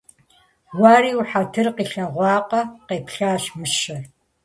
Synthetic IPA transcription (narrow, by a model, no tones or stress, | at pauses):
waːɾiːuħatʰɨrqiːɬɐʁʷɑːqɐqeːpʰɬaːɕmɨɕɐr